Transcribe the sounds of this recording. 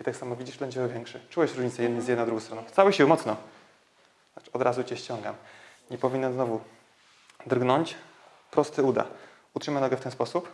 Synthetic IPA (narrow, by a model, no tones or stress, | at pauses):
it̪aksamɔvʲid͡ʑibɛɲd͡ʑɛɔvʲjɛŋkʂɛt͡ʂuwɛɕɾuɲit̪sɛjɛd̪nɘjzjɛd̪nɔ̃d̪ɾuɡɔ̃wst̪ɾɔnɔ̃w̃ft̪sawɘɕiwmɔt̪snɔ | aɔd̪ɾazut͡ɕɛɕt͡ɕɔŋɡa̰m | ɲɛpɔvʲiɲɛnznɔvu | d̪rɡnɔɲt͡ɕ | pɾɔst̪ɘud̪a̰ | utʂɘmanɔɡɔft̪ɛnspɔsup